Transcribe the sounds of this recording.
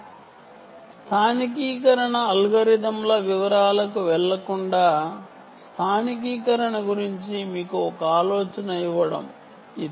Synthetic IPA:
st̪ʰaːnik̬iːkɐɾɐɳɐːlɡɐɾid̪ɐmlɐʋiʋɐɾaːlɐkuʋɛɭːɐkuɳɖaː | st̪ʰaːnik̬iːkɐɾɐɳɐɡuɾiɲt͡ʃimiːkuɔkɐaːlɔːt͡ʃɐnɐjiʋɐɽɐ̰m | i

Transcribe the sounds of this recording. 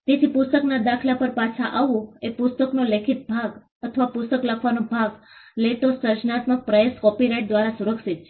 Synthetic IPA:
t̪et̪ʰipʊst̪əknad̪akʰlapəɾpat͡ʃʰaʔaʋõepʊst̪əknolekʰit̪̚bʱaɡ | ət̪ʰəʋapʊst̪əkləkʰʋanõbʱaɡ | leʈosəɾt͡ʃnat̪mək̚pɾəeskɔpiɾajʈ̚d̪ʋaɾasuɾəkʃit̪ʃʰe̥

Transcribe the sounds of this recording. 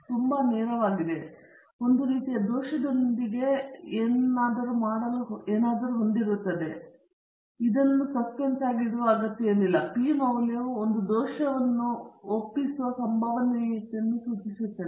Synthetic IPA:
t̪umbɐnɛːɾɐʋaːɡid̪e̞ | o̞nd̪uɾiːt̪ijɐd̪oːʃɐd̪ond̪iɡe̞eːnaːd̪ɐɾumaːɽɐlɐɦeːnaːd̪ɐɾuɦo̞nd̪iɾut̪ːɐd̪e̞ | id̪ɐnːusɐspensaːɡiɽɐʋɐɐɡɐt̪ːjɐjɐlilːɐpimɐʋljɐʋuond̪ud̪ɔːʃɐʋɐnːuopːisuʋɐsɐmbʱɐʋɐnet̪ijɐnːusuːt͡ʃisut̪ːɐ

